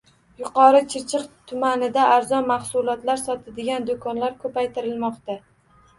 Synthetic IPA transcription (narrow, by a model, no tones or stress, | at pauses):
jʊqʰɒɾɪt͡ʃʰɪɾt͡ʃʰɨqt̪ʰʊmanɪd̪aʔːɾzɒnmahsʊlˠɒt̪laɾsɒt̪ʰad̪ɪɡʲand̪okʰɒnlaɾkʰɵpajt̪ʰɪɾɪlmɒqt̪a